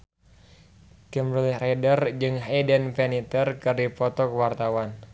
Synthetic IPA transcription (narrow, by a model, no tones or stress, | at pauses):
kɛmɾilirɛdərd͡ʒɨŋɦɛdənpɛnit̪ərkɨripɔt̪ɔkwart̪awan